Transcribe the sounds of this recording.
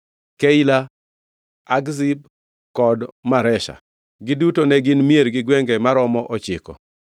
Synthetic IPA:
keila | aɡzib̚ | kɔdmaɾɛʃa̰ | ɡɪdutonɛɡɪnmieɾɡɪɡwɛŋɡɛmaɾɔmɔʔɔt͡ʃɪkɔ̰

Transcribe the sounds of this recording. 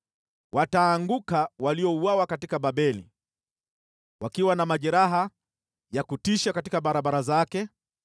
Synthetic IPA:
wataːŋɡukawaliɔuwawakatikaɓaɓɛlḭ | wakiwanamaʄɛɾaɦa | jakutiʃakatikaɓaɾaɓaɾazakɛ

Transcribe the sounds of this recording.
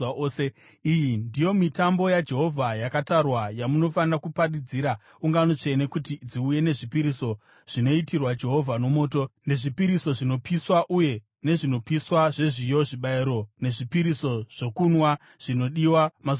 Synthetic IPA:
se | ijindijo̞mitambo̞jad͡ʒe̞ɦo̞vʱajakatarwajamuno̞fanirakuparid͡ziːɾa | uŋɡanot͡ʃe̞ne̞kutid͡ziuje̞ne̞ʐipiɾiso̞ | ʐ̥ino̞itirwad͡ʒe̞ɦo̞vʱano̞mo̞ːt̬o̞ne̞ʐipiɾiso̞ʐino̞piswaʔuje̞ | ne̞ʐino̞piswaʐe̞ʐijo̞ʐiɓaiɾo̞ne̞ʐipiɾiso̞ʐ̥o̞kunwa | ʐ̥ino̞ɗiwama

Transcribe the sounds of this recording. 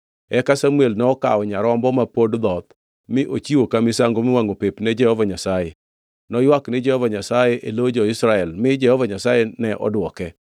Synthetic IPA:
ɛkasamuelnɛɔka̰ɔɲaɾɔmbɔmapodd̪ɔt̪ | mɪʔot͡ʃiwokamɪsaŋɡomɪwaŋopepnɛd͡ʒɛhɔvaɲasaje | nɔjwaknɪd͡ʒɛhɔvaɲasajeʔelod͡ʒɔɪsɾaɛlmɪd͡ʒɛhɔvaɲasajenɛʔɔ̰dwɔkɛ

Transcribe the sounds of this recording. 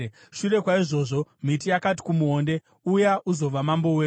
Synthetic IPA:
ʃure̞kwaiʐo̞ːʐo̞m̤itijakati̥kumuɦoːnde̞ | ujaʔuzo̞ʋamambo̞we

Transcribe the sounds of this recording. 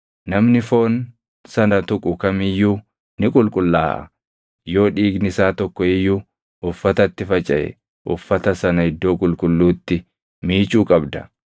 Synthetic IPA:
nɐmnɪfo̞ːn | sɐnɐt̪ʊkʼʊkɐmɪjːuː | nɪkʼʊlkʼʊlːaːʔɐ̰ | jo̞ːᶑiːɡnɪsaːt̪ɔkːɔɪjːuː | ʔʊfːɐt̪ɐt̪ːɪfɐt͡ʃʼɐʔɛ̰ | ʔʊfːɐt̪ɐsɐnɐhɪd̪ːo̞ːkʼʊlkʼʊlːuːt̪ːɪ | miːt͡ʃuːkʼɐbd̪ɐ

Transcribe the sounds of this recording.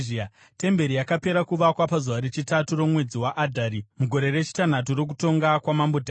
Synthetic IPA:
ia | te̞mbe̞ɾijakape̞ɾakuʋakwapazuʋaɾet͡ʃitaturo̞mwe̞d͡ziwaʔadʱaɾimuɡʱo̞ɾe̞re̞t͡ʃi̥tan̤at̬uɾok̬uto̞ŋɡakwamambodʱa

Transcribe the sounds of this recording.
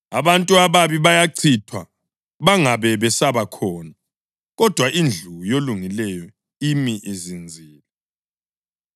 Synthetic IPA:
a̰βantʼuaβaβiβajaǀʰitʰwa | βaŋaβɛβɛsaβakʰɔːna | ɣɔd̥ʱwaʔind͡ɮʱujoluŋilɛjɔ | imiʔezind͡zʱiːla

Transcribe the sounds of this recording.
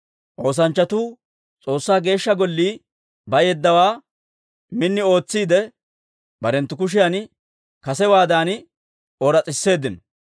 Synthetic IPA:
ʔo̞ːs̬ɐnt͡ʃːɐt̪uː | t͡sʼo̞ːsːaːɡe̞ːʃːɐɡɔlːiː | bɐjɛd̪ːɐwaː | mɪnːɪo̞ːt͡sːiːd̪ɛ | bɐɾɛnt̪ːʊkʊʃ̬ɪjɐn | kɐsɛwaːd̪aːn | oɾɐt͡sʼɪsːe̞ːd̪ɪnɐ

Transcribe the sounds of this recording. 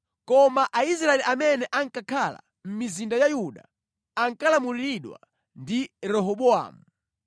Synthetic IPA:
kɔmaʔais̬ɾaɛliamɛnɛʔaŋ̩kakʰala̰ | m̩mizindajajuɗa | aŋkalamuliiɗwa̰ | ndiɾɛɦɔɓɔa̰ːmu

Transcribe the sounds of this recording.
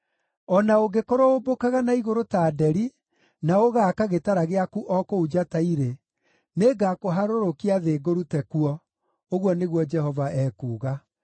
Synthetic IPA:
ɔnaoɡekoɾoobokaɣanaiɣoɾotaːdɛɾi | naoɣaːkaɣetaɾaɣeakuʔɔkoud͡ʒataiɾe | neɡakoɦaɾoɾokiaðeːɡoɾutɛkuɔ | oɣwɔneɣwɔd͡ʒɛɦɔvaɛːkuːɣa

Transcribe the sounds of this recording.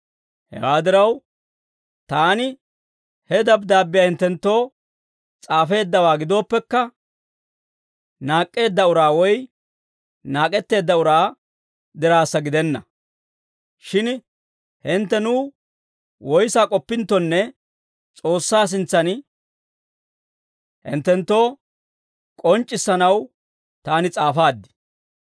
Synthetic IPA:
hɛ̰waːd̪ɪɾɐw | t̪aːnɪ | hɛd̪ɐbd̪aːbːɪjaːhɪnt̪ːɛnt̪ːo̞ː | t͡sʼaːfe̞ːd̪ːɐwaːɡɪd̪o̞ːpːɛkːɐ | naːkʼːe̞ːd̪ːɐʊɾaːwɔj | naːkʼɛt̪ːe̞ːd̪ːɐʊɾaː | d̪ɪɾaːsːɐɡɪd̪ɛnːɐ | ʃɪn | hɪnt̪ːɛnʊː | wɔjsaːkʼɔpːɪnt̪ːɔnːɛ | t͡sʼo̞ːsːaːs̬ɪnt͡sːɐn | hɪ̰nt̪ːɛnt̪ːo̞ː | kʼɔnt͡ʃʼːɪsːɐnɐw | t̪aːnɪt͡sʼaːfaːd̪ːɪ̥

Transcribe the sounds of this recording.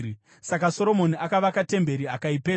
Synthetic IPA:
sakaso̞ɾo̞mo̞niʔakaʋakate̞mbe̞ɾiakaipeː

